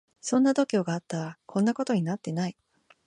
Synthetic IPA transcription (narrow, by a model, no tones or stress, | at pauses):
sõ̞nːad̪o̞kʲo̞ːɡaːt̪ːaɾakʰõ̞nːako̞t̪o̞ɲ̟inat̪ːe̞nai